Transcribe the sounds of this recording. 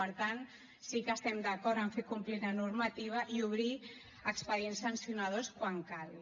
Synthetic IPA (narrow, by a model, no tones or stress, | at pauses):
əɾt̪an | sikəst̪ɛmd̪akɔɾt̪əɱfekumplilanuɾmat̪iβ̞aʔiuβ̞ɾi | əkspəðiensansiunað̞oskwaŋkal